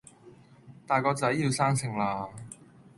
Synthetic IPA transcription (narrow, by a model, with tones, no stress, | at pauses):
t̪aː˨jkɔː˧t͡sɐ˨˥jːiː˧wsaː˥ŋsɪ˨˩ŋlaː˧